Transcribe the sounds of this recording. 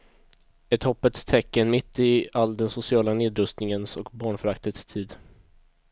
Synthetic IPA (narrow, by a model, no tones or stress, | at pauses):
ɛt̪hɔpːət̪st̪ʰɛkːənmɪt̪ːɪald̪ɛnsʊsɪɑːlaneːd̪ɾɵst̪nɪŋənsɔkbɑːɳfœɾakt̪ət̪st̪ʰiːd̪